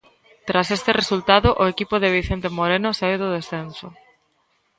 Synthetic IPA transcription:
t̪ɾasest̪eresult̪aðʊʔoekipʊðeβiθent̪emoɾenosaiwðʊð̞esθenso

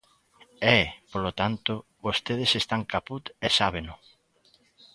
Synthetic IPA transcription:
ɛpolot̪ant̪ʊβost̪eð̞esest̪aŋkaput̪esaβenʊ

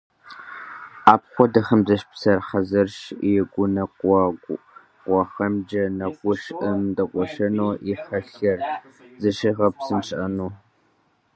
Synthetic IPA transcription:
aːp̚χʷɔdɐχɐmzɐʃpsɐrħɐzɐrʂjɛɡʷʊnɐqʷɑɡʷ | qʷɑχɐmd͡ʒɐnɐqʷʊʂʔɨmdɐqʷɔʃɐnoːʔiħɐɬɐrzɨʃɨʁɐpsɨnʂʼʔɐnuː

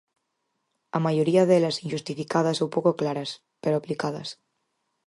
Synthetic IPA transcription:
amajoɾiaðelasinʒust̪ifikað̞asowpokoklaɾas | peɾoaplikað̞ɐ̰s

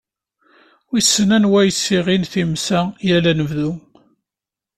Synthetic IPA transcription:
isːənænwæjsːiʁinθimsæjælænəvðu

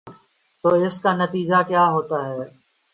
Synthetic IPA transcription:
t̪oːɪskaːnɐt̪iːd͡ʒakjaːɦoːt̪aɦɛː

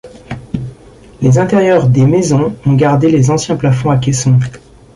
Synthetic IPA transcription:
lezɛ̃t̪ɛʁjœʁd̪emezɔ̃ɔ̃ɡaʁd̪elezɑ̃sjɛ̃plafɔ̃ak̬ʲɛsɔ̃

